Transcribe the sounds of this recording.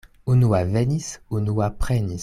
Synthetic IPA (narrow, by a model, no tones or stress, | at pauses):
unuwavɛnisunuwapχɛni